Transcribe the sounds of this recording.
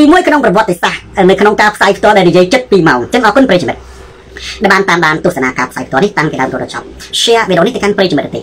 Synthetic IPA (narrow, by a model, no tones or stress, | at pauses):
t̪iːmuəjkʰnoŋprɑʋŏət̪ːesahnɨwkʰnoŋkaːpʰsaːjpʰt̪ŏəlɗaɛlnijiəjt͡ɕət̪̚piːmaɔŋt͡ɕəŋʔɑːkunpreːt͡ɕimɨt̪̚ | ɗaɛɓaːnt̪aːmɗaːnt̪uəsanaːkaːpʰsaːjpʰt̪oəlniht̪aŋpiɗa̰əmt̪uːəɗɑt͡ɕɑ̰p̚ɕɛəʔʋiɗo̰ːniht̪ɨəkanpreːkt͡ɕimɨt̪̚ʔɨt̪ḛː